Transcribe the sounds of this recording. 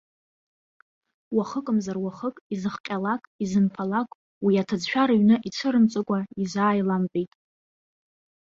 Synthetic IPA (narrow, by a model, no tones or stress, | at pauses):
waχəkʼəmzarwaχəkʼizɨχqʲʼalakʼizɨnfʰalakʼ | wiatʰad͡zʃᶣaɾaɥnɨʔit͡sʷʰɨɾɨmt͡sʼɨkʷʼaizʷaːjlampʼejtʼ